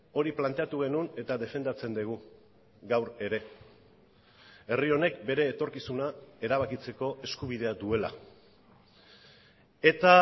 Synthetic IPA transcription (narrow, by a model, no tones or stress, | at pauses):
o̞ɾiplant̪e̞at̪uɣ̞e̞nune̞t̪aðe̞fe̞nd̪at͡se̞nd̪iɣ̞u | ɡawɾe̞ɾe̞ | e̞rio̞ne̞kbe̞ɾe̞ːt̪o̞ɾkisunae̞ɾaβ̞akit͡se̞ko̞ʔe̞skuβ̞ið̞e̞ad̪ue̞la̰ | e̞t̪a